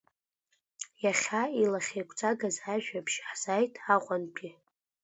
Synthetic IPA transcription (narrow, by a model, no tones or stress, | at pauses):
jaχʲailaχʲejkʷʰʼt͡sʼaɡazaʒᶣapʰʃħz̥ajtʰaqʷʼanpʰi